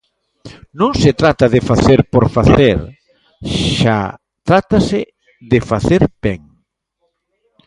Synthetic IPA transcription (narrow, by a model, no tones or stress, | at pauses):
nõŋset̪ɾat̪aðɪfaθeɾpoɾfaθeɾ | ʃa̰ | t̪ɾat̪asɪ | ðefaθeɾb̥ɛŋ